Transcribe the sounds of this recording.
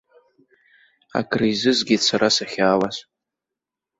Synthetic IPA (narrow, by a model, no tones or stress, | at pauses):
a̰kʰrizɨzɡʲit͡sʷʰaɾasaχʲaːwas